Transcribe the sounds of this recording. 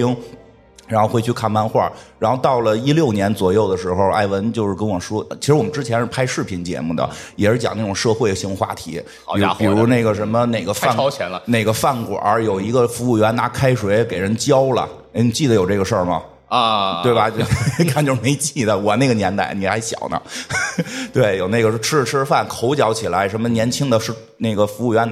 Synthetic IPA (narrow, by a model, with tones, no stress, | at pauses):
i˥ŋ | ɻa˧˥nxo˥˧ʊxwt͡ɕʰy˥˧kʰa˥˩nma˥˧nxwa̰˥˩ɻa˧˥nxo˧ʊt̪ɑ˥˩ʊlə˩i˥ljo˥˩ʊnjɛ˧˥nt͡swɔ˨˩jo˥˩ʊd̪ə˩ʂɻ̩˧˥xo˧ʊʔa̰˥˩ɪwə˧˥nt͡ɕjo˥˧ʊʂɻ̩˥˩kə˥nwɔ˨˩ʂwɔ˥˩t͡ɕʰi˧˥ʂɻ̩˧˥wɔ˨˩mə˦nʈ͡ʂɻ̩˥t͡ɕʰjɛ˧˥nʂɻ̩˥˩pʰa˥ɪʂɻ̩˥˩pʰi˧˥nt͡ɕjɛ̰˧˥mu˥˩d̪ə̰˩jɛ˨˩ʂɻ̩˥˩t͡ɕjɑ̰˨˩ŋna˥˩ʈ͡ʂʊ˨˩ŋʂɤ˥˧xwe˥˩ɪɕi˧˥ŋxwa̰˥˩t̪ʰḭ˧˥˧ | pi˨˩ɻu˧˥ne˥˩ɪɡə˩ʂə˧˥nmə˧ne˥˨˩ɪɡə˦fa˥˧˥ɛ˧˥nə˧ne˥˩ɪɡə˧˦fa˥˩nkwɔ̰˨˩ʔə̰˞˧˥jo˨˩ʊi˧˥ɡə˧fu˧˥u˥˩ɥɛ˧˥nna˧˥kʰa˥ɪʂwe˧˥ɪke˨˩ɪɻə˧˥nt͡ɕjɑ˥ʊlə̰˨˩ | e˥ɪni˨˩t͡ɕi˥˩d̪ə˩jo˨˩ʊʈ͡ʂɤ˥˩ɡə˩ʂə˥˩mɐ̰˩˧ | t̪we˥˩ɪbɐ˩t͡ɕo˥˩a˥˩nt͡ɕjo˥˧ʂme˧˥ɪt͡ɕi˥˩d̪ə˩wɔ˨˩ne˥˩ɪɡə˩njɛ˧˥nt̪a̰˧˥ɪni˨˩xa˧˥ɪɕjɑ̰˨˩ʊnə̰˦ | t̪we˥˩ɪjo˨˩ʊne˥˩ɡə˩ʂʈ͡ʂʰɻ̩˥ʈ͡ʂʰɻ̩˥fa˥˩nkʰo˧˥ʊt͡ɕjɑ˧˥ʊt͡ɕʰi˨˩la˧˥ɪʂə˧˥nmə˧njɛ˧˥nt͡ɕʰi˥ŋd̪ə˨ʂɻ̩˥˧ | ne˥˩ɪɡə˩fu˧˥u˥˩ɥɛ˧˥n